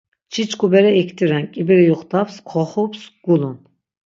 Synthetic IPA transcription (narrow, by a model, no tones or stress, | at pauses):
t͡ʃʰit͡ʃʰʼkʰʼubɛɾɛɛkʰt̪ʰʼiɾɛnkʼibɛɾɛjuχt̪apskʰɔχɔpsɡ̥ulun